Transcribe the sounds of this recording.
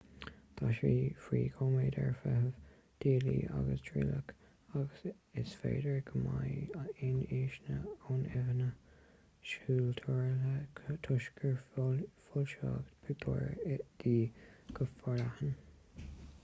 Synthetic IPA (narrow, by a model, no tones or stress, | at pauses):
t̪ʰɑʃiːfɹiːɡʰoːmeːd̪əɹfɛɦəv | d̪̥iːlḭːʔaɡəsd̥ɹɪlək | aɡəs | ɪsfeːdəɹɡəmajɪniːʃnəoːnɛvənə | ʃuːltʰɔɹlət̪ʰʊʃkʰəɹfʊlʃɑːɡpʰəd̪ɔɹɪd̪̥iːɡ̥əfɔɾahən